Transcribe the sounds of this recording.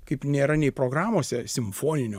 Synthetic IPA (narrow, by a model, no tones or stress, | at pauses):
kɐɪpnʲeːɾɐnʲɛɪpɾoːɡɾɑːmoːsʲɛsʲɪmfoːnʲɪnʲoː